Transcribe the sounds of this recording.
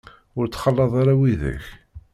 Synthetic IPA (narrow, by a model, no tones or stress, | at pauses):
ʊɾt͡sːχɑlːɑðˤaɾawiðæ̰ç